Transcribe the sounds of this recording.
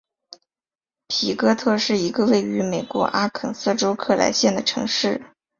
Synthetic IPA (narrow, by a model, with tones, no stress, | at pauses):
pʰi˨˧˥kɤ˥t̪ʰɤ˥˧ʂɻ̩˥˩i˧˥ɡə˧we˥˩ɪy˧˥me˨˩ɪkwɔ̰˧˥ʔa˥kʰə˨˩nsɤ˥˩ʈ͡ʂo˥ʊkʰɤ˥˩la̰˧˥ɪɕjɛ˥˩nd̪ə˩ʈ͡ʂʰɤ̰˧˥ŋʂɻ̩˥˩